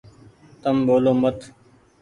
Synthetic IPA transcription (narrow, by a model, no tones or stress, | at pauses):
t̪əmɓoːloːmət̪